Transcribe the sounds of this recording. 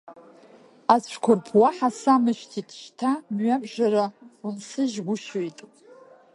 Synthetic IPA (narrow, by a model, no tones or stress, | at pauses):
at͡sʷʰkʷʰʊrpʰwaħasamɨʃtʰitʰʃtʰamɥabʒaɾaunsɨʒɡʷʊʃojtʼ